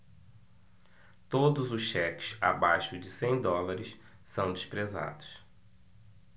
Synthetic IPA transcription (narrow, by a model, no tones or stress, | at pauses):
t̪od̪ʊzʊsʃɛkɪ̥sa̰bajʃʊd͡ʒɪsẽj̃d̪ɔlaɾɪs | sɐ̃w̃d͡ʒɪspɾeza̰d̪ʊs